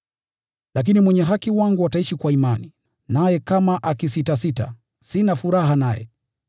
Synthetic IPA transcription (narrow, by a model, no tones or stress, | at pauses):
lak̬inimwɛɲɛɦakiwaŋɡuataiʃikwaimani | najɛkamaʔakisitasita̰ | sinafuɾaɦanajɛ̰